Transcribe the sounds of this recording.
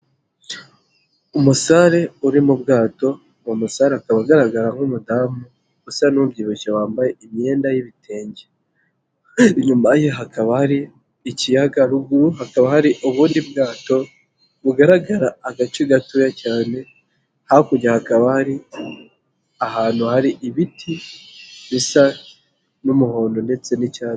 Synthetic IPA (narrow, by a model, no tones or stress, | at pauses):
umusaɾe̞uɾimub̚ɡaːto̞ | umusaɾeakaβaɡaɾaɡaɾaŋ̥umudamu | ɡ̥usanubɟiːβucewaːmbaje̞imɲe̞ːndajiβitʰe̞ːɲɟe | ɲumajoɦakaβahaɾiː | cijaɡaɾuɡuɾuhakaβahaɾiʔuβuːndibɡaːto̞ | βuɡaɾaɡaɾaːɡat͡ʃiɡatujacaːne̞ | hakuɟahakaβahaɾi | aɦaːn̥huhaɾiʔiβitʰi | βisa | numuho̞ːndo̞ne̞t͡se̞nicaː